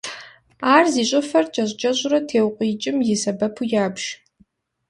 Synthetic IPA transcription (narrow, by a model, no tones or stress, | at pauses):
aːrziɕʷʼʊfɐrt͡ʃʼɐʑʷt͡ʃʼɐʒʷʼrɐtʰeːwqʷʼiːt͡ʃʼɪmjɪsɐbɐpʰujaːbʒ̥